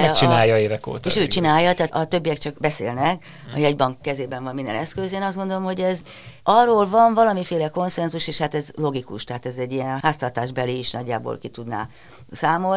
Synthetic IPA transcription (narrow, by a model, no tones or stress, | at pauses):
ɛkt͡ʃinaːjɒeːvɛko̰ːt̪eːʃøːt͡ʃinaːjːɒt̪ɛːɒt̪øbːijɛkt͡ʃɒkbɛsḛːlnɛk | ɒ̰jɛɟbɒŋkːɛzeːbɛɱvɒmind̪ɛ̰nɛskøzeːnɒzdɡo̞nd̪olo̞mho̞ɟɛz | ɒrːoːlvɒɱvɒlɒmifeːlɛko̞nsɛnzuʃeːʃhat̪ɛzlo̞ɡikṵʃt̪ɛɦat̪ɛzɛɟːijɛnɦaːst̪ɒrt̪aːʒbɛliːʃnɒɟːa̰ːbo̰lkit̪ud̪na̰ː | saːmo̞l